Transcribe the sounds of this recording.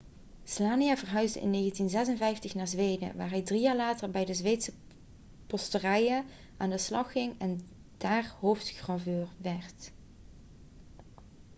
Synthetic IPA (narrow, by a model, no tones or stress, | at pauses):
slaːnijaːvərɦœɥzdə̰ʔɪ̰nːeːɣəntinzɛzənvɛjftəxnaːɹzʋejdə̰ʋaːɹɦɛjdrijaːɹlaːtəɹbɛjdəzʋejtsə | pɔstərɛjə | ʔaːndəslɑxɪŋɛn | d̥aːɹɦowftxrɑvøːɹʋɛɹt